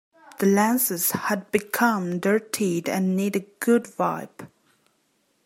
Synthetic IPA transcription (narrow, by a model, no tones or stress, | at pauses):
ð̥əlæ̃nsɨz̥həd̚bɨkʰʌ̃mdɜ˞tʰidɨ̰̃nmeɾɨɡ̥ʊdvaɪp